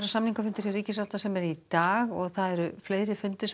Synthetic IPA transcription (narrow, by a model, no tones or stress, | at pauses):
ɾasamniŋkafʏnt̪ʏɾariːcɪs̬aft̪asɛmɛɾit̪aːɣɔɣθaðɛɾʏfleːjɾɪfʏnt̪ɪs